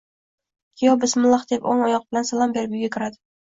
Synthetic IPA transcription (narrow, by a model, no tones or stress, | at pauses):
kʲʰɪjɒbɪsmɪlˠɑχd̪̥epoŋɒjɒq̚b̥ɪlansalˠɒmbeɾbyɡʲakʲʰɪɾad̪ɪ